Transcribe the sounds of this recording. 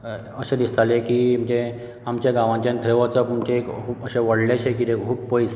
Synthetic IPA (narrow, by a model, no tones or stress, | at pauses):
əɕẽd̪ist̪alekiːm̤d͡ʑe | amt͡ɕjaɡãʋãɲt͡ɕãnt̪ʰəjʋat͡səpəmt͡ɕekkʰuːpəɕeʋəɽleɕekit̪ekkʰuːb̚pəjs